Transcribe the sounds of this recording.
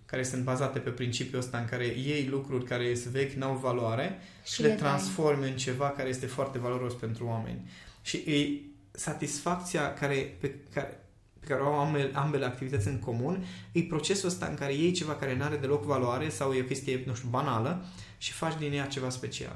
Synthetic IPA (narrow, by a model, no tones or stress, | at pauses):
kaɾe̞sɨnt̪̚bazat̪e̞pe̞pɾint͡ʃipjuəst̪aɨŋkaɾe̞je̞jlukɾurʲkaɾe̞jest̪ve̞kʲnawvaluaɾe̞ | ʃʃilet̪ɾansfo̞rmʲɨnt͡ʃe̞vakaɾe̞je̞st̪e̞foart̪e̞valo̞ɾo̞spe̞nt̪ɾuamḛnʲʃiʔɨj | sat̪isfak̚t̪siakaɾe̞pekae | pe̞kaɾeoawamelʔambe̞le̞akt̪ivit̪ət̪sʲɨŋko̞munɨjpɾo̞t͡ʃe̞suəst̪a̰ɨ̰ŋkaɾe̞je̞jt͡ʃe̞vakaɾe̞naɾe̞d̪e̞lo̞kvaluaɾe̞sawjeo̞kʲe̞st̪ije̞nuʃt̪ubanalə | ʃi̥fat͡ʃd̪injat͡ʃe̞vaspe̞t͡ʃia̰l